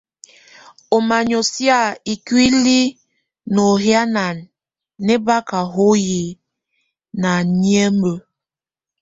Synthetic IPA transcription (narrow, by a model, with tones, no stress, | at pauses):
o˨ma˨ɲo˨sja˦˨i˨kwi˦li˦ | no˨ɦja˦na˨nː | e˦ba˦ka˨ɦo˦ji˨ | na˨ɲi˦e˦mə˨